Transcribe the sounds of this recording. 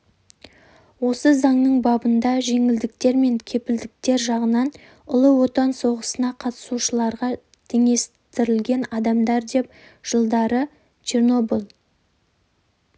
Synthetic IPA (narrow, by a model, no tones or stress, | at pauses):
wo̞səzɑɴnəɴbɑbənd̪ɑʒe̞ŋɪld̪ɪk̚t̪e̞ɾme̞ŋkʲʰe̞pɪld̪ɪk̚t̪e̞ɾʒɑʁənɑn | ʊlˠəwo̞t̪ɑnso̞ʁəsənɑqʰɑt̪ə̥suʃəlˠɑɾʁɑ | t̪ʰe̞ŋe̞s | t̪ɪɾɪlɡʲe̞nɑd̪ɑmd̪ɑɾd̪e̞p̚ | ʒ̥əlˠd̪ɑɾə | t͡ʃʰerno̞bulˠ